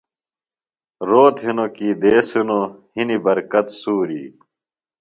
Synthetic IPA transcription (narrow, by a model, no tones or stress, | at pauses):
ɾoːt̪ɦinokiːd̪eːsunohinibɐɾkɐt̪suːɾḭː